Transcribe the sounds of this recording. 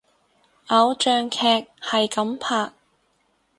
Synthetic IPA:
ʔɐ˨˧wt͡ʃœː˨˧ŋkʰɛː˧k̚hɐ˨jkɐ˨˥mpʰaː˨˩k̚

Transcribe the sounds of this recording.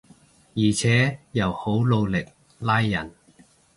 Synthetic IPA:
jiː˨˩t͡sʰɛː˨˥jɐ˨˩who˨˥wlo˧wlɪ˨k̚ | laː˥jːɐ˨˩n

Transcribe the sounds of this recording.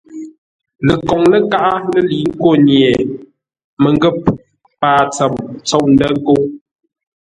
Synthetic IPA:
lə˨kɔ˨ŋlə˦ka˦ʔa˦lə˦li˨˦ŋ̩˦ko˦˨nje˨ | mə˨ŋ˦ɡə˦˨p̚ | paː˨t͡sə˨mt͡sɔ˦˨ʔn̩˦də˦ŋ˦ko˦

